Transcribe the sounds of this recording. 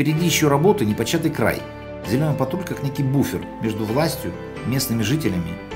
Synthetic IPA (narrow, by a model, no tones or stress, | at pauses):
pʲɪɾʲɪdʲijɪɕːoɾɐbo̞t̪ɨnʲɪpɐt͡ɕːat̪ɨjkɾa̰j | zʲɪlʲo̞nɨjpɐt̪ulʲkaknʲekʲɪjbufʲɪrmʲe̞ʐd̪ʊvlˠasʲtʲjʊ | mʲe̞snɨmʲɪʐɨtʲɪlʲɪmʲɪ